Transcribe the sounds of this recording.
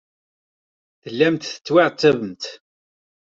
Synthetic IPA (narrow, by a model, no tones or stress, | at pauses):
θəlːæmt̪θə̥t͡sːwaʕt̪ːævəmt̪